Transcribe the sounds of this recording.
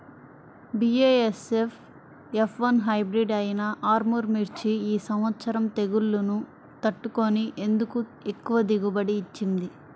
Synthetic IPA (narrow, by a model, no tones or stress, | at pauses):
bieesef | epʰʋɐnɦɐjbɾiɖɐjinɐʔaːɾmuɾmiɾt͡ʃiiːsɐmʋɐt̪sɐɾɐmt̪e̞ɡulːunu | t̪ɐʈːukoniʔe̞nd̪ukue̞kːuʋɐd̪iɡubɐɽiːt͡ʃːind̪i